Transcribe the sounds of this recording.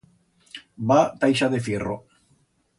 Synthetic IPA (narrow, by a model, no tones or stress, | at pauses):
bat̪ajʃaðefiro̰